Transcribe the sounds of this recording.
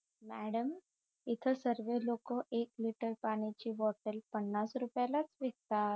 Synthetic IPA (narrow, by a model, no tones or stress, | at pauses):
mæɽəm | it̪ʰəsəɾʋelokɔʔekliʈəɾpaɽ̃it͡ɕiːʋɔʈəlpəɳːasɾupjalat͡sʋekt̪a